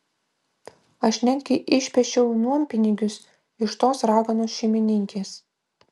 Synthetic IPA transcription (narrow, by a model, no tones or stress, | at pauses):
ɐʃʲnʲɛŋʲkʲɛʔɪʃʲpʲɛʃʲt͡ʃʲɛʊnuɔmpʲɪnʲɪɡʲʊs | ɪʃt̪oːsɾɑːɡɐnoːsʃʲɛɪmʲɪnʲɪŋʲkʲeːs